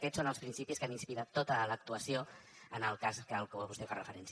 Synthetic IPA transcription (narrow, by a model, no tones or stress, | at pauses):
kɛsonəlˠspɾinsipiskaninspiɾat̪ːot̪ələk̚t̪uəsioənəlˠkazkəlˠkəβɔlβust̪ɛfarəfəɾɛns